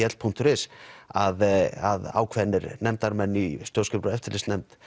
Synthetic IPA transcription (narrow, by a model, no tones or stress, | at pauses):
ɛt̪l̥pʰun̥t̪ʏɾɪsaðaða̰ːwkʰvɛnːɪɾnɛmt̪aɾmɛnːist̪joːwskɛpɾɔɛft̪ɪɾlɪst̪nɛmt̪